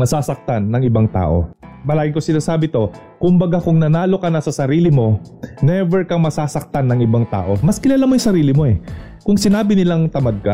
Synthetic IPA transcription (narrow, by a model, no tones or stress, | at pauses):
mɐsaːsɐk̚t̪anːɐŋɪbaŋt̪a̰ːʔo̞̰mɐlaːɡɪŋko̞sɪnaːsaːbɪt̪o̞ | kʊmbɐɡakʊŋnɐnaːlo̞kɐnɐsɐsɐɾiːlɪmo̞nɛvɛɹkɐŋmɐsaːsɐk̚t̪anːɐŋɪbaŋt̪a̰ːʔo̞mɐskɪlaːlamojʊŋsɐɾiːlɪmo̞ʔɛ | kʊŋsɪnaːbɪnɪlaŋt̪ɐmɐd̪̚ka̰